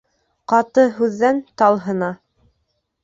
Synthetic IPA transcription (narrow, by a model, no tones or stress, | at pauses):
qɑt̪ɤɦʉðːænt̪ɑlˠɦɤ̆nɑ